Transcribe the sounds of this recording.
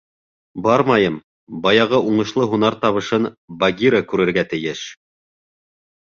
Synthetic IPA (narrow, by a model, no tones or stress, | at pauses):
bɑɾmɑjɤm | bɑjɑʁɤʔuɴɤ̆ʃlˠɤɦunɑɾt̪ɑβɤ̆ʃɤnbaɡʲiɾakʉɾɘ̆ɾɡæt̪ɘ̆jɘʃ